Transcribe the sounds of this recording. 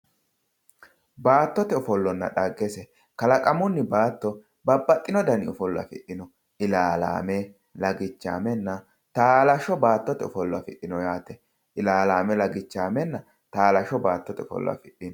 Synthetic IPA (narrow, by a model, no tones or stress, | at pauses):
baːt̪ːɔt̪ɛʊfɔlːɔnːɐ̰ɗaɡːɛsɛ | kɐlɐkʼɐmʊnːɪbaːt̪ːɔ | bɐbːɐt̪ːɪnɔd̪ɐnɪʊfɔlːʊɐ̰fɪ̰ʔɪnɔ | ʔɪlaːla̰ːmɛ | lɐɡɪt͡ʃːa̰ːmɛnːɐ | t̪aːlɐʃɔbaːt̪ːɔt̪ɛʊfɔlːɐfɪᶑɪnɔjaːt̪ɛ | ʔɪlaːlaːmɛlɐɡɪt͡ʃːaːmɛnːɐ | t̪aːlɐʃɔbaːt̪ːɔt̪ɛʊfɔ̰lːwɐ̰fɪʔɪnɔ